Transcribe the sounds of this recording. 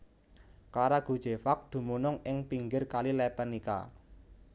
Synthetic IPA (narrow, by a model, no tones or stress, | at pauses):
kaɾaɡ̥ṳd̥ʒ̥e̤fak̚d̪̥ṳmunʊŋɪŋpiŋɡɪrkalilɛpənika̰